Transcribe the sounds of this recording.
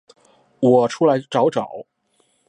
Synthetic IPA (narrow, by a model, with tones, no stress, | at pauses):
wɔ˨˩ʈ͡ʂʰu˥la˧˥ɪʈ͡ʂɑ˧˥ʊʈ͡ʂɑ˨˩˦ʊ